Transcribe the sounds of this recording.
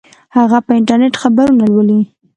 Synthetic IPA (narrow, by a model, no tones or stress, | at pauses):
haɣapəɪɳʈaɾneʈxabaɾunalwəli